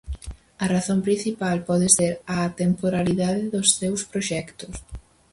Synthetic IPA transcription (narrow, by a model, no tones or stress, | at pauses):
ɐraθõmpɾin̟θipalpɔðɪseɾat̪empoɾaliðaðɪðʊsːewspɾoʃɛkt̪ʊs